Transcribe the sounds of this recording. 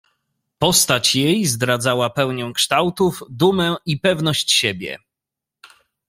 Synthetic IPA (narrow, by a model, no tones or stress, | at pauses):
pɔst̪at͡ɕjejzd̪ɾad̪zawapɛwɲɛ̃kʂt̪awt̪uvd̪umɛipɛvn̪ɔɕt͡ɕɕebʲjɛ̰